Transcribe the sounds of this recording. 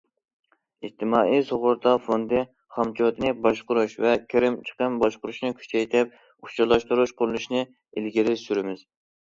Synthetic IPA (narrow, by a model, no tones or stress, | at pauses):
id͡ʒt̪ʰɪmɑːʔisoʁʊɾd̪ɑfond̪ɨ | χɑmt͡ʃʰit̪ʰɨnɨbɑʃqʊɾuʃvɛkʲʰeɾɪmt͡ʃʰə̥qəmbɑʃqʊɾuʃnɨkʲʰy̥t͡ʃʰɛjt̪ʰɪp̚ | ut͡ʃʰuɾlˠɑʃt̪uɾuʃqʰʊɾlˠuʃnɨ | ilɡʲiɾɪsyɾɪmɪz̥